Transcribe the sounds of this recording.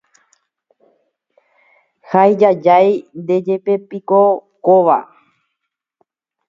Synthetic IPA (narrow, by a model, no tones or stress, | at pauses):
hajd͡ʒad͡ʒajnd̪e̞d͡ʒe̞pepikokoʋa̰